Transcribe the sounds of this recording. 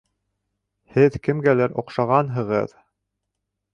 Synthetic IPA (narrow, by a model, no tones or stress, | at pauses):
hɘðkɘ̆mɡælæɾʔŏqʃɑʁɑnɦɤ̆ʁɤ̰ð